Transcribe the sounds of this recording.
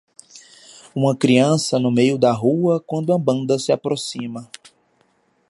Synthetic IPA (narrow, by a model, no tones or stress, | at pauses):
ũmɐkɾiɐ̃sɐnʊmejʊd̪ɐɦuɐkwɐ̃nd̪ʊɐbɐ̃nd̪ɐsɪapɾosĩmɐ